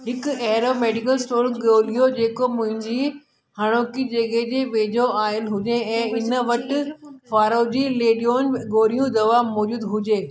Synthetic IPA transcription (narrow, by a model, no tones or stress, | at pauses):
ɦɪkʊɛɦɾomeːɖɪkəlsʈoːɾɠoːlijod͡ʑeːkomʊ̃ɦɪ̃ɲd͡ʑi | hɐɽ̃oːkid͡ʑɐɠeɦd͡ʑeːʋeːd͡ʑoaːɪlɦʊd͡ʑeɛ̃ːɪnəʋɐʈɪfaːɾod͡ʑiːleːɗijoːnɡoːɾijũd̪ɐʋamɔːd͡ʑuːd̪ɦʊd͡ʑeː